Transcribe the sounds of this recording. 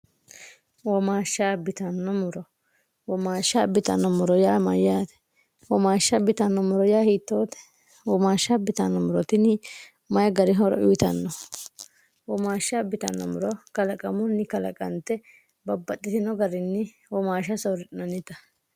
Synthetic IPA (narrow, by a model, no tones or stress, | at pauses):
wɔmaːʃːaːbɪt̪ɐnːɔmʊɾɔ | wɔmaːʃːaːbɪt̪ɐ̰nːɔmʊɾɔjaːmɐ̰jaːt̪ɛ̥ | wɔmaːʃːɐbɪt̪ɐnːɔmʊɾɔjaːhiːt̪ːoːt̪ɛ̥ | wɔmaːʃːabɪt̪ɐnːɔmʊɾɔt̪ɪnɪ | mɐjɐɡɐɾɪɦɔɾɔ̰ʔʊjɪt̪ɐnːɔ | wɔmaːʃːabɪt̪ɐ̰nːɔ̰mʊɾɔkɐlɐkʼɐmʊnːɪkɐlɐ̰kʼɐ̰nt̪ːɛ | bɐbːɐt̪ʼːɪt̪ɪnɔɡɐɾɪnːɪ | wɔmaːʃɐsɔɾɪɪnɐnːɪt̪ɐ̥